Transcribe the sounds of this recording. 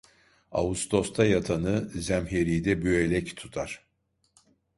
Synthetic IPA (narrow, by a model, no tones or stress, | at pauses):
a̰ust̪ʰo̞st̪ʰajat̪ʰanɯzæmɦeɾijd̪ɛbyelʲɛct̪ʰu̥t̪ʰaɾ̥